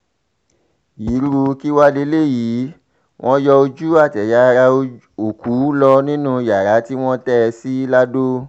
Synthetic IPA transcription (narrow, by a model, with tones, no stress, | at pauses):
ji˨˦ɾu˧ki˦wa˦le˦le˦˨ji˨˦ | w̃ʔɔ̃˦jɔ˧o˧d͡ʒu˦a˦˨tɛ˨ja˨˧ɾa˧ | o˨ku˨˦lɔ˧nĩ˦nũ˦˧ja˨ɾa˨˦ti˦w̃ɔ̃˦tɛ˦˧si˦la˦do˦